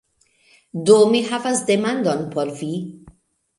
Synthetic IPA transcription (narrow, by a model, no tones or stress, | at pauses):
d̪ɔːmiħɐfɐzd̪ɛmand̪ɔnpɔlfiː